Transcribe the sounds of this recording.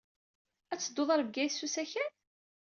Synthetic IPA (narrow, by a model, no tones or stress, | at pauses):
æt͡sːəd̪ːoðˤɑɾvɡæjsːusæçæn